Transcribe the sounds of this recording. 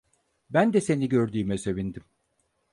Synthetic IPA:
bænd̪ɛse̞niɟøɾd̪yːmɛse̞vind̪im

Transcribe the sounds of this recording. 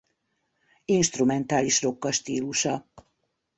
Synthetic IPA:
inʃt̪rumɛnt̪aːliʃro̞kːɒʃt̪iːluʃɒ

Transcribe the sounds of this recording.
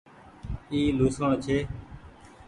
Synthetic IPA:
iːluːsoɳt͡ʃʰeː

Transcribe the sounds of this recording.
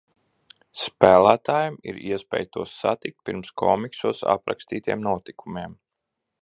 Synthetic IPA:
spæːlˠæːt̪aːjamḭɾiɛspʲɛ̰ːjt̪uɔsːat̪ik̚t̪̚piɾmskʰɔːmiksuɔsa̰pɾa̰kst̪iːt̪iɛmnuɔt̪ikʰumiɛm

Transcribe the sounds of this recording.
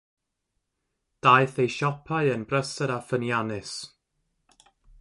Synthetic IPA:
d̥ajθejʃɔpʰaɨənbrəsədafənjanɪs

